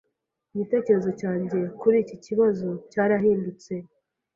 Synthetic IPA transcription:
iɲite̞ːce̞ɾe̞zo̞caːɲɟe̞kuɾiːciciβazo̞caːɾaɦiːndut͡se̞

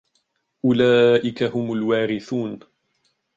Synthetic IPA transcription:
ʔʊlaːʔɪkahʊmʊlwaːɾɪθuːn

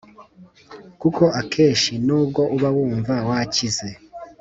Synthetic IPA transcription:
kuko̞ʔakʰeːʃinuːb̚ɡo̞ʔuβawuːɱvawacize̞

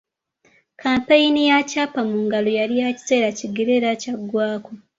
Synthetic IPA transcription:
kaːmpajinijacaːpamuːŋɡalojaɾijaci̥se̞ːɾaciɡeɾe̞ɾacaɡwaːko

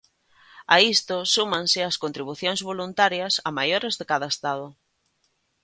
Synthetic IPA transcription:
aist̪ʊsumaŋsɪɐskont̪ɾiβuθjoŋzβolunt̪aɾjɐsɐmajoɾɪzðɪkaðɐest̪aðʊ

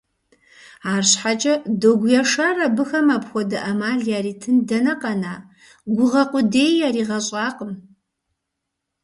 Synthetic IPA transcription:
aːrɕħat͡ʃʼɐdoɡʷjɛʂɐrɐbɨxɐmapxʷɔdɐʔɐmaːɮjaːriːtʰɨndɐnɐqʼɐnaː | ɡʷʊʁɐqʷʊdeːjjaːɾiːʁɐɕʼaːqʼəm

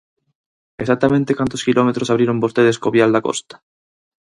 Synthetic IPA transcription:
esak̚t̪amẽnt̪ekant̪oskilomet̪ɾosaβɾeɾombost̪eðeskoβjald̪ako̰st̪ḁ

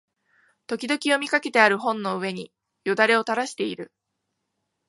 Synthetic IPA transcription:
t̪o̞kʲid̪o̞kʲio̞mʲikake̞t̪e̞aɾɯ̟ɦõ̞nːo̞ɯ̟e̞ɲ̟i | jod̪aɾe̞o̞t̪aɾaɕi̥t̪e̞iɾɯ̟

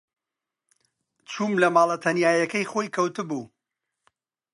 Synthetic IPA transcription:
t͡ʃʰuːmlɐmaːlˠɐt̪ʰɐnjaːjɐkɐjχojkʰɐwt̪ɨbu

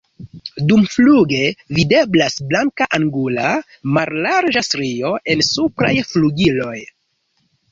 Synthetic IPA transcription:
dumfluɡe̞vide̞blasblaŋkaʔaŋɡula | maɾlaɾd͡ʒastɾio̞ʔe̞nsupɾa̰jfluɡilo̞j

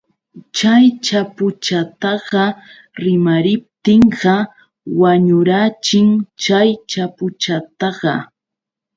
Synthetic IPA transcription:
t͡ʃajt͡ʃapʊt͡ʃat̪ɑɢɑ | ɾɪmaɾɪp̚t̪ɪɴɢɑ | waɲʊɾat͡ʃɪŋt͡ʃajt͡ʃapʊt͡ʃat̪ɑɢɑ

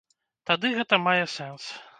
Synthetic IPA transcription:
t̪ad̪ɨɣɛt̪ɐmajɛsɛns

